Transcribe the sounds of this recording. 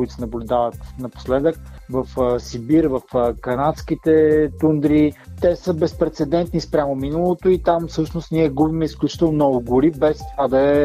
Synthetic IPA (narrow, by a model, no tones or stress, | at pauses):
kʊit̪ʊ̥sɛnɐblʲʊd̪avət̪nɐpo̥slɛd̪ək̚vəfsibiɾvəfkɐnat̪skit̪ɛt̪und̪ɾit̪ɛsəbɛspɾɛt̪sɛd̪ɛnt̪nispɾʲjamominəlˠot̪oit̪amfsɤʃnost̪niɛɡubimɛisklʲut͡ʃi̥t̪əlnonɔɡʊɡʊɾibɛst̪ovad̪ɐɛ